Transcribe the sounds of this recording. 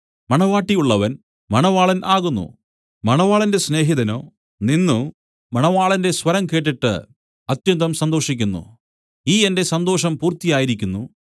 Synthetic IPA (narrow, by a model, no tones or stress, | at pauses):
mɐɳɐʋaːʈːijuɭːɐʋɐn | mɐɳɐʋaːɭɐnʔaːɣunːṵ | mɐɳɐʋaːɭɐnde̞sne̞ːɦiðɐno̞̰ː | ninːu | mɐɳɐʋaːɭɐndeswɐɾɐmke̞ːʈ̬ːiʈːɨ̰ | ɐt̪jɐnd̪ɐmsɐnd̪o̞ːʂikʲːunːṵ | iːende̞sɐnd̪o̞ːʂɐmpuːrt̪ijaːjiɾikʲːunːu